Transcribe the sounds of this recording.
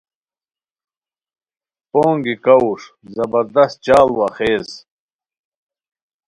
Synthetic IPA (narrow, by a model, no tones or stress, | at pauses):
poːŋɡikauʂ | zɐbɐɾd̪ɐst̪̚t͡ɕaːlwɐχeːz